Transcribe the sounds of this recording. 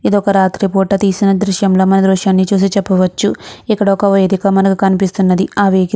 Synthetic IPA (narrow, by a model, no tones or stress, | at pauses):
id̪ɔkɐɾaːt̪ɾipoːʈːɐt̪iːsinɐd̪ɾuʃjɐmloːmɐnɐd̪ɾuʂjaːnːit͡ʃuːs̬it͡ʃɛpːɐʋɐt͡ʃːuikːɐɽɐɔkɐʋɐjd̪ikɐmɐnɐkukɐnipist̪unːɐd̪iaːʋeːɡ